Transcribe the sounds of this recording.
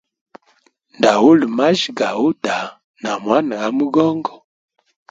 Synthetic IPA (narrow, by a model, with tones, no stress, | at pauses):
nda˨wu˦lma˦ʒɡa˨wu˦da˨ | na˨mwa˦n˨ɣa˨˦mə˦ɡɔ˦ŋɡɔ˨